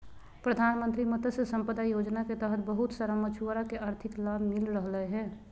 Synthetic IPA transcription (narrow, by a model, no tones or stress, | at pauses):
pɾəd̪ʱaːnmə̃nt̪ɾimət̪əsesə̃mpəd̪ajoːd͡ʒnaket̪əɦət̪ʰbəɦʊt̪səɾəmət͡ʃʰuɾakeaːɾt̪ʰɪklabʱmɪlɾəɦləɦɛ̃ː